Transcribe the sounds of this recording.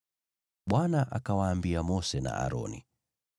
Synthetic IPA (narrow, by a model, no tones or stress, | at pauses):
ɓwanaʔakawaːmbiamɔsɛna̰ʔa̰ɾɔ̰ni